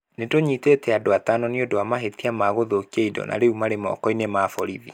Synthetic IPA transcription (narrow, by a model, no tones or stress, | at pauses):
nedoɲitetɛadoatanɔniodoamaɦetiamaɣoðokieidɔ̰nʔa̰ɾeumaɾemɔ̰ːkɔinemafɔɾiði